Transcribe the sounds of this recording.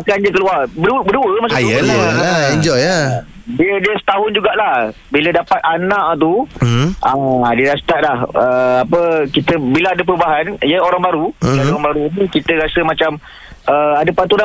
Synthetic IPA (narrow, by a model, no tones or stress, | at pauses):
akanɲəkəluarbəubəduəmasajə | iɲd͡ʒɔja | diədəsə̥t̪aɦʊnd͡ʒuɡaʔlah | bilədapat̪̚anãʔt̪uʔadiɾast̪aʔlahəapəkit̪əbilaadəp̬əɾubaɦanjəoɾaŋbaɾuiadəoɾaŋbaɾuinikit̪əɾasəmat͡ʃam | əadəpat̪uɾa